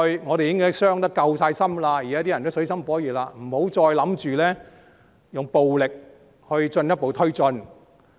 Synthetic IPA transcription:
ŋɔː˨˧ɾe˨jɪ˥ŋkɔː˥sœː˥ŋt̪ɐ˥kːɐ˧wsaː˧jsɐ˥mlaː˧ji˨˩ɛː˨˥t̪i˥jɐ˨˩nt̪o˥sɵ˨˥ɥsɐ˥mfɔː˨˥jiː˨˩laː˧m̩˨˩ho˨˥wt͡sɔː˧jlɐ˨˥mt͡ʃyː˨lɛː˥ | jʊ˨˩ŋpo˨wlɪ˨k̚ | hɵ˧ɥt͡ʃɵ˧njɐ˥t̚po˨˧wt̪ʰɵ˥ɥt͡sɵ˧n

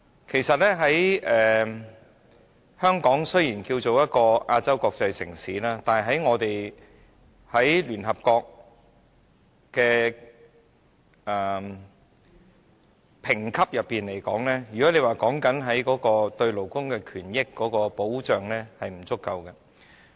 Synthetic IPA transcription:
kʰe˨˩jsɐ˨t̚lɛː˥ɦɐ˨˥jʔɛː˨ | hœː˥ŋkɔː˨˥ŋsɵ˥jiː˨˩nkiː˧wt͡so˨wjɐ˥t̚kɔː˧ʔaː˧t͡sɐ˥wkɔː˧k̚t͡sɐ˧jsɪ̰˨˩ŋsiː˨˥laː˥t̪aː˨nɦɐ˨˩jɦɐ˨˥jŋɔː˨˧t̪e˨j | hɐ˨˥jlyː˨˩nɦɐ˨p̚kɔː˧k̚ | kːɛː˧ | ɛː˨ | pʰɪ˨˩ŋkʰɐ˥p̚jɐ˨pːiː˨nle˨˩jkɔ̰ː˨˥ŋlɛː˥jy˨˩kɔː˨˥le˨˧jwaː˨˩kɔː˨˥ŋkɐ˨˥nɦɐ˨˥jkɔː˨˥kɔː˧t̪ɵ˧ɥlo˨˩wkʊ˥ŋkɛː˧kʰyː˨˩njɪ˥kːɔː˨˥kɔː˧po˨˥wt͡ʃœː˨ŋlɛː˥hɐ˨jm̩˨˩t͡sʊ˥kːɐ˧wkɐ˧

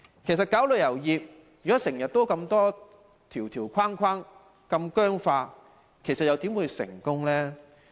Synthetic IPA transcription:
kʰe˨˩jsɐ˨t̚kaː˨˥wlɵ˨jjɐ˨˩wjiː˨p̚ | jy˨kɔ˨˥sɪ˨˩ŋjɐ˨t̚t̪o˥wkɐ˧mt̪ɔː˥ | t̪ʰiː˨˩wt̪ʰiː˨˩wkʰwaː˥ŋkʷʰaː˥ŋ | kɐ˧mkœː˥ŋfaː˧ | kʰe˨˩jsɐ˨t̚jɐ˨˧wt̪i˨˥mwuː˨˧jsɪ̰˨˩ŋkʊ˥ŋlɛː˥

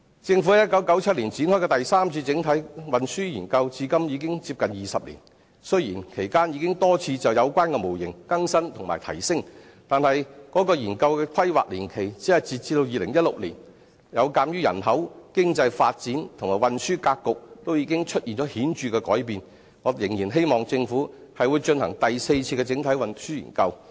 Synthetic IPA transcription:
t͡sɪ˧ŋfu˨˥ɐ˨˦jɐ˥t̚kːɐ˨˥wkɐ˨˥wt͡sʰɐ˥t̚liː˨˩nt͡siː˨˥nhɔː˥jkɛː˧t̪ɐ˨jsaː˥mt͡sʰiː˧t͡sɪ˨˥ŋt̪ʰɐ˨˥jwɐ˨nsyː˥jiː˨˩nkɐ˧wt͡siː˧kɐ˥mjiː˨˧k̬ɪ˥ŋt͡siː˧p̚kɐ˨njiː˨˩sɐ˨p̚lḭ˨˩n | sɵ˥ɥjiː˨˩nkʰe˨˩jkaː˥nji˨˧kɪ˥ŋt̪ɔː˥t͡sʰiː˧t͡sɐ˨wjɐ˨˧wkʷaː˥nkɛː˧mo˨˩wjɪ̰˨˩ŋkɐ˥ŋsɐ˥nt̪ʰʊ˨˩ŋmaː˨jt̪ʰɐ̰˨˩jsɪ˥ŋ | t̪aː˨nhɐ˨jkɔː˨˥kɔː˧jiː˨˩nkɐ˧wkɛː˧kʰɐ˥jwa̰ː˨k̚liː˨˩nkʰe˨˩jt͡siː˨˥ɐ˨jt͡siː˧t̚t͡siː˧t̪o˧wjiː˨˧lɪ˨˩ŋjɐ˥t̚lʊ˨k̚lḭː˨˩n | jɐ˨˧wkaː˧mjyː˥jɐ̰˨˩nɦɐ˨˥wkɪ˥ŋt͡sɐ˧jfaː˧t̚t͡siː˨˥nt̪ʰŋmaː˨˩wɐ˨nsyː˥kaː˧kkːʊ˨k̚t̪o˥wjiː˧kɪ˥ŋt͡ʃʰɵ˥t̚jiː˨nt͡ʃɔː˨˥hiː˨˥nt͡ʃyː˨˧kɛː˧kɔː˨˥jpiː˨n | ŋɔː˨˧jɪ˨˩ŋjiː˨˩nɦe˥jmɔː˨ŋt͡sɪ˧ŋfuː˨˥ | hɐ˨jwu˨˧jt͡ʃɵ˧nhɐ˨˩ŋt̪ɐ˨jse˧jt͡sʰiː˧kɛ˧t͡sɪ˨˥ŋt̪ʰɐ˨˥jwɐ˨nsyː˥jḭː˨˩nkɐ˧w

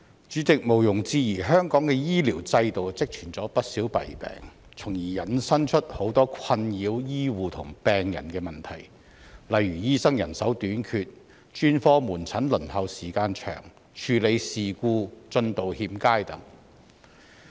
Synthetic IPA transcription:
t͡ʃyː˨˥t͡sɪ˨k̚mo˨˩wjʊ˨˩ŋt͡siː˧jiː˨˩ɦœː˥ŋkɔː˨˥ŋkɛː˧jiː˥liː˨˩wt͡sɐ˧jt̪o˨wt͡sɪ˥k̚t͡ʃʰyː˨˩nt͡sɔː˨˥pɐ˥t̚siː˨˥wpɐ̰˨˩jpɛ̰ː˨˩ŋ | t͡sʰʊ˨˩ŋjiː˨˩jɐ˨˩nsɐ˥nt͡ʃʰɵ˥t̚ho˨˥wt̪ɔː˥kʷʰɐ˧njiː˨˧wjiː˥wuː˨t̪ʰʊ˨˩ŋpɛː˨ŋjɐ̰˨˩nkɛː˧mɐ˨˩nt̪ʰɐ˨˩j | lɐ˨jɥyː˨˩jiː˥sɐ˥ŋjɐ˨˩nsɐ˨˥wt̪yː˨˥nkʰyː˧t̚ | t͡ʃyː˥nfɔː˥muː˨˩nt͡sʰɐ˨˥nlɵ˨˩nhɐ˨˧wsiː˨˩kaː˧nt͡ʃʰœ̰ː˨˩ŋ | t͡ʃʰyː˨le˨˧jsiː˨kuː˧t͡ʃɵ˧nt̪o˨whiː˧mkaː˥jt̪ɐ˨˥ŋ

